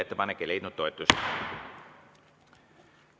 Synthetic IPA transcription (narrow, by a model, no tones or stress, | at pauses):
et̪ːepɑnːekːˑejle̞jt̪nut̪ːo̞et̪ˑːus